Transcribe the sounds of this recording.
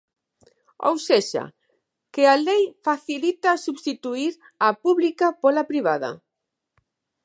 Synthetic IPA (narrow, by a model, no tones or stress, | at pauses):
o̰wseʃa̰ | kɪalejfaθilit̪asuβst̪it̪uiɾ | apuβlikapolapɾiβaðɐ̰